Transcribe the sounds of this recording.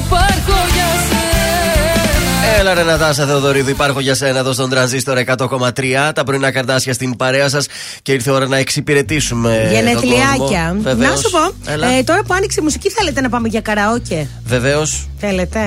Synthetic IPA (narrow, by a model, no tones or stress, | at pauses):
pɐɾkoʝɐs | elɐɾenɐðɐs̬ɐðeoðo̞ɾiðuipɐɾxo̞ʝɐsenɐðost̪o̞nd̪ɾɐnzist̪o̞ɾɐekɐt̪o̞ko̞mɐt̪ɾiɐt̪ɐpɾoinɐkɐɾd̪ɐsçɐst̪inpɐɾeɐs̬ɐs | ce̞iɾθeo̞ɾɐnɐeksipiɾe̞t̪isumeʝɐnet̪liɐcɐvenɐsupo̞lt̪o̞ɾɐpuɐnikseimusiciθe̞le̞t̪e̞nɐpɐmeʝɐkɐɾɐoce | ve̞ve̞o̞sθelet̪e̞